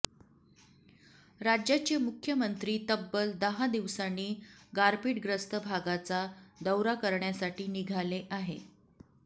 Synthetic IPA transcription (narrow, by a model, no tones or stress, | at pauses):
ɾad͡ʑjat͡ɕemukʰjəmənt̪ɾiːt̪əbːəld̪əɦad̪iʋsanːiːɡaɾpiːʈɡɾəst̪əbʱaɡat͡sad̪əwɾakəɾɳjasaʈiːniɡʱaleʔaɦe